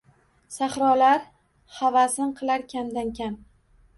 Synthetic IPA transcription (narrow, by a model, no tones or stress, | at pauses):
saχɾɒlaɾ | havasɪɴqʰɨlˠaɾkʲʰamd̪ankʲam